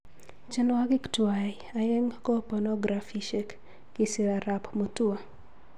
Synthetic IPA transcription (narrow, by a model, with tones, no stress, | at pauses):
t͡ʃɛ˦nwa˦ɡɪ˦ktwa˨ja˨jɛ˦ŋkɔ˦pɔ˨nɔ˦ɡɾa˨fi˨ʃe˦k | kɪ˦si˨ɾa˨ɾa˨pmo˨tu˦a˨